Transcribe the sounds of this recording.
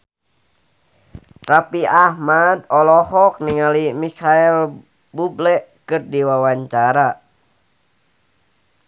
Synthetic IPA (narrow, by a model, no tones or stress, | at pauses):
rapiahmad̪ɔlɔhɔk̚niŋalimikʰaɛl | bublɛʔkɨrdiwawaɲt͡ʃaɾa